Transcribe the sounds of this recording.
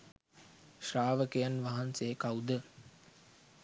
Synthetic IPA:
ʃraːʋəkejanʋaɦansekawd̪ə

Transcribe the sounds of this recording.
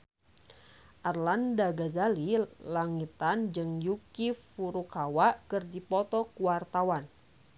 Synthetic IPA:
ʔarlandaɡazalilaŋit̪and͡ʒɨŋjukifuɾukʰawaʔkɨrdipɔt̪ɔkuwart̪awan

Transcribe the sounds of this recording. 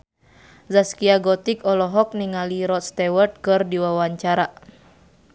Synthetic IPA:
zaskiaɡɔt̪ikɔlɔɦɔk̚niŋaliɾɔt̪̚st̪ɛwɛrt̪̚kɨrdiwawaɲt͡ʃaɾa

